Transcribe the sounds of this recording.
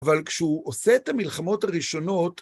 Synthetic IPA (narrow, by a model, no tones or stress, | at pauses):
valkʃɛuʔose̞ːt̪amilχamo̞thaʁiʃo̞no̞t